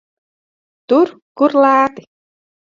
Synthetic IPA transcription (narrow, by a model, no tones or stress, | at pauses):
t̪uɾ | kuɾlaːt̪ɪ̥